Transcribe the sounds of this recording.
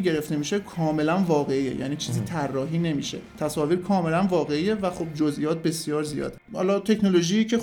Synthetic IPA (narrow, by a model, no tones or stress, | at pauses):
ɟe̞ɾeft̪e̞miːʃekʰɒːme̞lænvɒːɣeijḛjʔæ̰ːniːt͡ʃʰiːziːt̪ʰærːɒːɦiːne̞mḭʃe̞̰t̪ʰæsɒːviːɾkʰɒːme̞lænvɒːɣe̞ije̞væxob̚d͡ʒozʔijɒːt̪̚be̞sjɒːɾzijɒ̰ːd̪ehɒ̰ːlɒt̪ʰe̞cʰnolo̞ʒiːiːcʰe̞